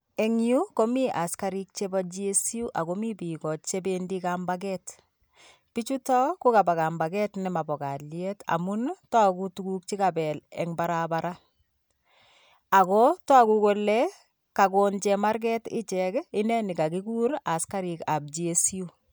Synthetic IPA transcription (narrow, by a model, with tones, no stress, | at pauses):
e˨ŋju˦ko˦mi˦ʔa˨ska˦ɾi˦k̚t͡ʃe˦ba˦d͡ʒie˦si˦u˦ʔa˨ko˦mi˦pi˨kɔ˨t͡ʃe˦bendikambak̬ɛt | pit͡ʃu˦tɔ˦ko˦ka˨ba˨ka˨mba˨ɡɛ˦tnɛma˨bɔ˨ka˨ljɛta̰˨mu˦ntaku˦tu˦kuk̚t͡ʃi˦ka˨bɛ˨lɛ̰˨ŋbaɾabaɾa˦ | a˨kɔ˦tɔ˦a˦ku˦ko˦lɛ | ka˨ko˨nt͡ʃɛma˦ɾk̬ɛ˦tɪ̰˦t͡ʃɛkɪ˦nɛ˦ni˨ka˨ki˦ku˦ɾa˨ska˦ɾika˨b̚d͡ʒie˦sju˦